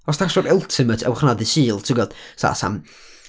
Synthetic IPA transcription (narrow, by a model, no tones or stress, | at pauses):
ɔstʰasɔɾʊlˠtʰɪmətʰɛ̰wχnadɪsiːlˠtʰɪɡɔd̥sa̰sa̰m